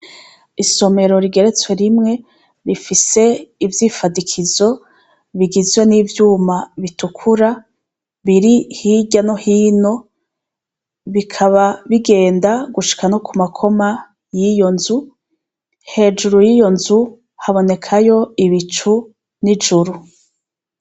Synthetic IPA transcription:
iso̞me̞ɾo̞ɾiɡe̞ɾe̞t͡swe̞ɾimŋe̞ | ɾifise̞ivjiːfadikʰizo̞ | βiɡizwe̞nivjuːmaβitukʰuɾa | βiɾihiɟanohiːno̞ | βikʰaβaβiɡe̞ːndaɡuʃi̥kanokumakʰo̞ma | jijo̞nzu | he̞ːd͡ʒuɾujijo̞nzu | haβo̞ne̞kʰajo̞iβit͡ʃu | nid͡ʒuɾu

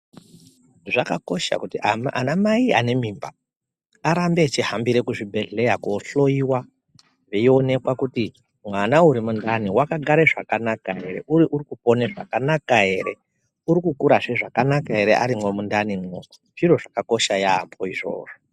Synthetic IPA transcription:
ʐakako̞ʃa̰kutiamʔa̰namaia̰ne̞miːmba | aɾambe̞t͡ʃiɦambiɾe̞kuʐibʱe̞ɮe̞jakuɬo̞iwa | ʐeio̞ne̞kwakuti | mwanauɾimundaniwakaɡʱaɾe̞ʐakanakaɦe̞ɾe̞̰uiʔurikupo̞neʐa̰kanakaɦe̞ɾe̞ | uɾikukuɾaʐeʐakanakaɦe̞ɾeʔa̰ɾimwomundanimwo | ʐiro̞ʐakako̞ʃaja̰ːmbo̞iʐo̞̰ːʐo

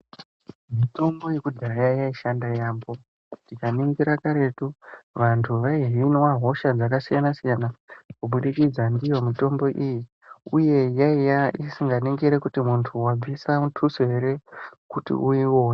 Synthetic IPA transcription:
mito̞mbo̞jekudɡʱaɾajaijaiʃandajaːmbo̞ | tikaniŋɡiɾakaɾe̞tuʋantʰuʋaiɦinwaɦo̞ʃad͡zakasijanasijanakuɓuɗikid͡zandijo̞mito̞mbo̞ʔiji | uje̞jaijaisiŋɡaniŋɡiɾe̞kutimuntʰuwab͡visamutʰusoɦe̞ɾe̞kutḭʔuiwo̞ːna

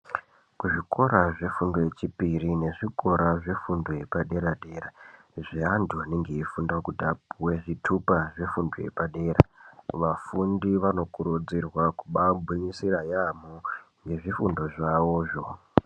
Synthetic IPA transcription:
kuʐiko̞ɾaʐe̞fundoje̞t͡ʃipirine̞ʐiko̞ɾaʐe̞fundojepaɗe̞ɾaɗe̞ːra | ʐiandʱoaneŋɡe̞ifundakutiapuwe̞ʐitʰupaʐe̞fundojḛpaɗe̞ːɾa̰ʋafundiʋano̞kuɾud͡zirwakuɓabʱuɲisirajamoŋɡe̞ʐifundo̞ʐawoːʐo̞

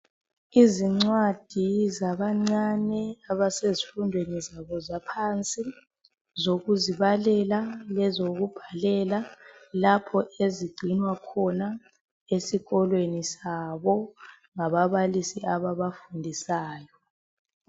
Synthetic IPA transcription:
iziŋ͡ǀwad̥ʱizaβaŋ͡ǀanɛaβasezifundʱwenizaβɔzapʰant͡sʼi | zoɣuziβalɛlalɛzoɣub̥ʱalɛlalapʰɔʔeziɡ͡ǀʱinwakʰɔna | esiɣɔlwenisaβɔ | ŋaβaβalisiaβaβafundʱisaːjɔ

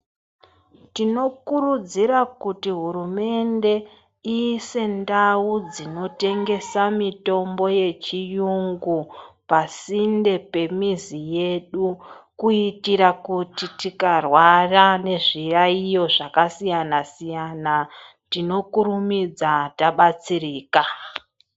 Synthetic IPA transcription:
tino̞kuɾud͡ziɾakutiɦurume̞nde̞ | iːse̞ndaud͡zino̞te̞ŋɡe̞samito̞mbo̞je̞t͡ʃijuŋɡupasinde̞pe̞mizije̞ɗukuitiɾakutitikarwarane̞ʐiraijo̞ʐakasijanasijana | tino̞kuɾumid͡zataɓat͡siriːka

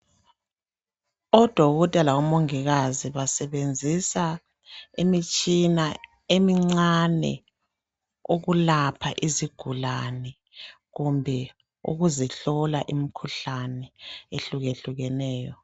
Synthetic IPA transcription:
ɔd̥ʱwɔɣɔtʼɛlawɔmoŋiɣaziβasɛβend͡zʱisa | imit͡ʃʼina | emiŋ͡ǀanɛ̰ | uɣulapʰaʔiziɡ̥ʱulanɛ | ɣumbʱɛ | ṵɣuziɬɔlaʔimikʰuɬanɛeɬuɣeɬuɣɛnɛːjɔ

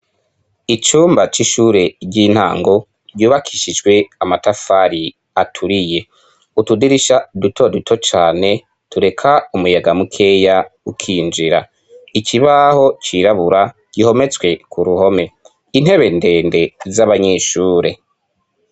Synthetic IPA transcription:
it͡ʃuːmbat͡ʃiʃuːɾe̞ɟiːn̥ha̰ːŋɡo̞ | ɾɟuːβakʰiʃid͡ʒɡwe̞amatafaɾi | atʰuɾije̞ | utudiɾiʃadutʰo̞dutʰo̞t͡ʃaːne̞ | tuɾe̞kʰaumujaɡamukʰe̞jaukʰiːnd͡ʒiɾa̰ | ikʰiβaho̞t͡ʃiɾaβuɾa | ɡ̥iho̞me̞t͡swe̞kuɾuho̞me̞ | in̥he̞βe̞nde̞ːnde̞zaβaɲeʃuːɾe̞

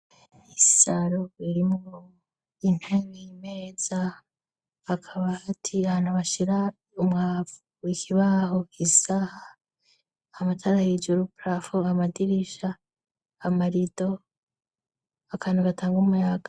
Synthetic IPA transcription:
isaɾoiɾimŋo | in̥heɡeime̞ːz̥a | akʰaβatʰiahaːn̥huβaʃiɾa | umŋaːvuwikʰiβaːɦo̞kʰisaha | matʰaɾahid͡ʒuɾupɾafoamadiɾiʃaː | maɾido̞ | akʰaːnduβatʰaːŋɡumujaɡ̥ḁ

